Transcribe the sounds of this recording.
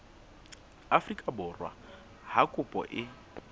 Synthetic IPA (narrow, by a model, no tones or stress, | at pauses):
afrikʼabʊrwa̰ | hakʼʊpʼɔ̰ʔɪ